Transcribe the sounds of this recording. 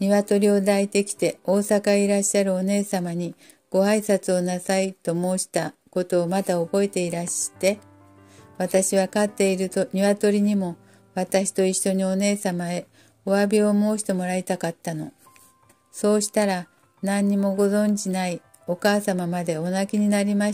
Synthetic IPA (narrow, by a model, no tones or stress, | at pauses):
ɲiβat̪o̞ɾʲio̞d̪ait̪e̞kʲi̥t̪e̞o̞ːsakaiɾaɕːaɾɯ̟o̞ne̞ːsamaɲ̟i | ɡ̥o̞aisat͡sɨo̞nasait̪o̞mo̞ːɕi̥t̪ako̞t̪o̞ːmat̪aobo̞e̞t̪e̞iɾaɕt̪e̞ | βat̪aɕiβakat̪ːe̞iɾɯ̟t̪oɲ̟iβat̪o̞ɾʲiɲ̟imo̞ | βat̪aɕi̥t̪o̞io̞ɲ̟io̞ne̞ːsamae̞ | oβabʲio̞mo̞ːɕi̥t̪e̞mo̞ɾait̪akat̪ːano̞̰ | so̞ːɕi̥t̪aɾa | nãɲ̟ːimo̞ɡo̞zõ̞ɲ̟d͡ʑinai | o̞kaːsamamad̪e̞o̞nakʲiɲ̟inaɾʲima